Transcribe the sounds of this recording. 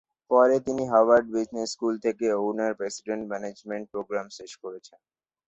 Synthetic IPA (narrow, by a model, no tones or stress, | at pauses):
pɔɾet̪iniɦawaɾɖ̚bid͡ʑneskult̪ʰekeownaɾpɾesiɖeɳʈmɛned͡ʑmeɳʈ̚pɾoɡɾamʃeʃkoɾet͡ɕʰen